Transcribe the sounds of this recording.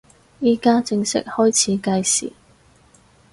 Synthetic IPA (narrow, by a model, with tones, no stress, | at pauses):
jiː˥kaː˥t͡sɪ˧ŋsɪ̰˥k̚hɔː˥jt͡sʰiː˨˧kɐ˧jsḭː˨˩